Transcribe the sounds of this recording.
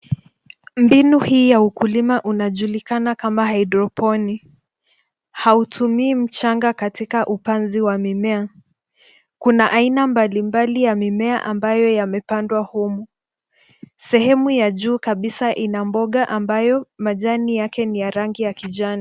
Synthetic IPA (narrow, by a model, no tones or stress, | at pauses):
mbinuhiːjaukulimaʔunaʄulikanakamahaidɾɔpɔni | hautʰumiːm̩t͡ʃaŋɡakatikaʔupanziwamimɛa | kunaʔainambalimbalijamimɛaʔambajɔjamɛpandwahumu | sɛhɛmujaʄuːkaɓisaʔinambɔɠaʔambajɔmaʄanijakɛnijaɾaŋɡijakiʄani